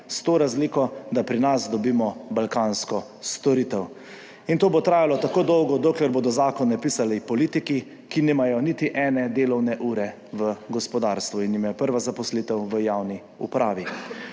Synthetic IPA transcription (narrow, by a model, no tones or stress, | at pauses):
st̪oːɾazlikɔd̪apɾinasd̪ɔbiːmɔbalkaːnskɔ | st̪ɔɾiːt̪ɛw | int̪oːbot̪ɾaːjalɔt̪akoːd̪ɔwɡɔd̪oːklɛɾboːd̪ɔzaːkɔnːɛpiːsalɛpɔliːt̪iki | kinimajɔnit̪iʔɛːnɛd̪eːlɔwnɛʔuːɾɛ | ʋəɡɔspɔd̪aːɾst̪ʋuinjimajɔpəɾʋazapɔslit̪ɛwʋəjawni | ṵpɾʔaːʋi